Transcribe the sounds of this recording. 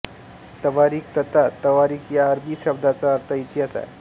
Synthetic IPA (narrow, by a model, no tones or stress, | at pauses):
t̪əʋaɾiːk̚t̪ət̪at̪əʋaɾiːkʰjaːɾbiːɕəbd̪ʱat͡saəɾt̪ʰəit̪ijasa̰j